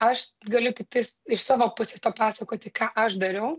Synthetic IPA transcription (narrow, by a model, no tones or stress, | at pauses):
ɐʃɡɐlʲʊt̪ʲɪk̚t̪ɐɪsɪʃsɑːʋoːpʊsʲeːst̪oːpɑːsɐkoːt̪ʲɪkɑːʔɐʃd̪ɐɾʲɛʊ